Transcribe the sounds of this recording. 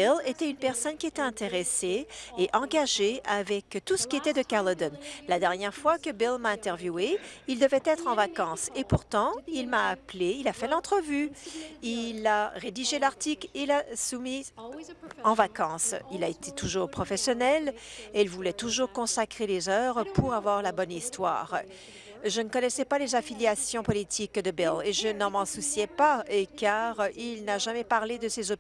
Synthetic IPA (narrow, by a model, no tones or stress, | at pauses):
ɛlet̪ɛynpɛʁsɔnkʲiet̪ɛɛ̃t̪eʁeseːʔɑ̃ɡaʒeavɛkt̪usə̥kʲiet̪ɛd̪əkaʁləd̪ɔnlad̪ɛʁnjɛʁfwakəbilmaɛ̃t̪ɛʁvjueild̪əvɛt̪ɛt̪χɑ̃vakɑ̃sepuʁt̪ɑ̃ilmaːpleilafɛlɑ̃t̪χəvyilaʁed̪iʒelaʁt̪iklelasumi | ɑ̃vakɑ̃silaet̪ʰet̪uʒuːʁpχɔfɛsjɔnɛleilvulɛt̪uʒuːʁkɔ̃sakχelezœːvʁəpuʁavwaʁlabɔnist̪wa̰ːʁ | ʒənəkɔnɛsɛpalezafiljasjɔ̃pɔlit̪ʰikd̪əbɛleʒənɑ̃mɑ̃susjɛpaekaʁilnaʒamɛpaʁled̪əsezɔ